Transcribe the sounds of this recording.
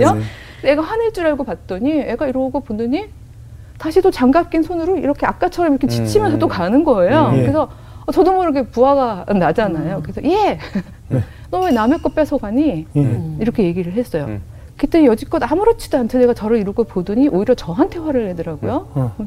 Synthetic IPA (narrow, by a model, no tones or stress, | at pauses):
o | e̞ɡaɸwaneɭt͡ɕ͈uɾaɭɡopat̚t͈ʌɲine̞ɡaiɾoɡopodɯɲi | taɕʰitot͡ɕaŋɡap̚k͈insʰonɯɾoḭɾʌkʰe̞ak͈̚at͡ɕʰʌɾʌmiɾʌkʰet͡ɕit͡ɕʰimjʌnsʰʌt͈okanɯnɡʌe̞jokɯɾesʰʌ | ʌt͡ɕʌdomʌɾɯɡepuɦaɡanːad͡ʑanajokɯɾesʰʌje̞ | nʌmenamek͈ʌp͈esʰʌɡaɲi | iɾʌkʰe̞je̞ɡiɾɯɭɦe̞s͈ʌjo̰ | ket͈eijʌd͡ʑik͈ʌdamuɾot͡ɕʰi̥doantʰene̞ɡat͡ɕʌɾɯiɾuɡopodɯɲiʔoiɾjʌt͡ɕʌɦantʰe̞waɾɯɭhe̞dɯɾaɡojokɯ